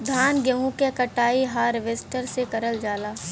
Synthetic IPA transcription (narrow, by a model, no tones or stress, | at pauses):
d̪ʱaːnɡɐʋũkekɐʈaːiɦaːɾʋeːsʈəɾsekɐɾəld͡ʒaːlaː